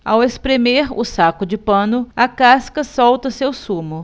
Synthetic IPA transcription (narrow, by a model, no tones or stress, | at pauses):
awespɾemeɾʊ̰sakʊd͡ʒɪpɐ̃nʊɐkaskɐsɔwt̪ɐsewsũmʊ